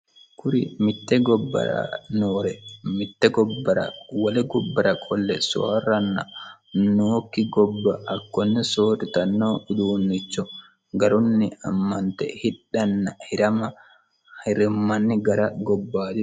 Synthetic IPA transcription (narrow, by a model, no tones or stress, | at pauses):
kʰʊɾɪmɪt̪ːɛɡɔbːɐ̰ɾɐ̰noːɾɛmɪt̪ːɛɡɔbːɐɾɐ̰wɐlɛɡɔbːɐɾɐkʼɔlːɛsoa̰rɐnːɐnoːkːɪɡɔbːɐɐkːɔnːɛsoːɾɪt̪ɐnːoːʊd̪uːnːɪt͡ʃːɔ | ɡɐɾʊnːɪɐmːɐnt̪ɛ̰hɪᶑːɐnːɐhɪɾɐmɐ | hɪɾɪmːɐnːɪɡɐɾɐɡɔbːaːd̪ɪ